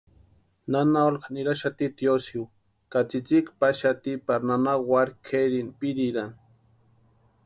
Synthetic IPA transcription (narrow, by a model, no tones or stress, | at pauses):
nanaolkaniɾaʃat̪it̪josiw | kat͡sit͡sikpaʃat̪ipaɾnanawaɾkʰeɾinpiɾiɾan